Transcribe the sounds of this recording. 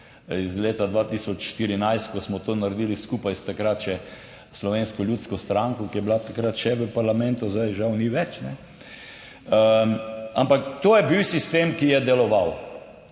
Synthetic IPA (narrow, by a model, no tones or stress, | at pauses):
izleːt̪ad̪ʋat̪iːsɔt͡ʃʃt̪iɾinajst̪̚kɔsmɔt̪oːnaɾɛd̪iliskuːpajst̪akɾat̪ʃɛ | slɔʋeːnskɔlʲjuːt̪skɔst̪ɾaŋkɔkijɛblat̪akɾat̪ʃɛʋəpaɾlamɛnt̪ʊzd̪ajʒawniʋɛt͡ʃnɛ | ə | ampakt̪oːjɛbiwsist̪eːmkijɛd̪ɛlɔʋaw